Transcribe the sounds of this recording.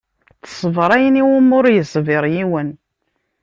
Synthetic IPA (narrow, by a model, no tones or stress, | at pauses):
θə̥sˤvɾˤæjəniwʊmʊɾjəsˤvɪɾˤjiwən